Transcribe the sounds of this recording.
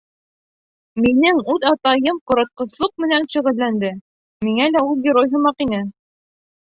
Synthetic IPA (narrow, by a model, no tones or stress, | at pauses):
minɘŋʉðɑt̪ɑjɤmqŏɾɑt̪̚qɤ̆slˠɤq̚mɘ̆nænʃɵ̆ʁɘ̆llːænd̪ɘ | miŋælæulˠɡʲɪɾojɦɤ̆mɑqinɘ